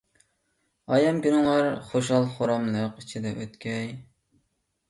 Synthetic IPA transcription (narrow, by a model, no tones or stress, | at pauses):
ɑːjɛmkʲynɨŋɑɾχoʃ̬ɑlˠχoɾɑmlˠəqit͡ʃʰid̪ɛʔøt̪kʲʰɛj